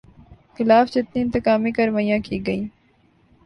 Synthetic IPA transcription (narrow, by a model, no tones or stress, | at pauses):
xɪlaːfd͡ʒɪt̪niɪ̃nt̪ɪkaːmikɐɾʋajãːkiːɡɐiː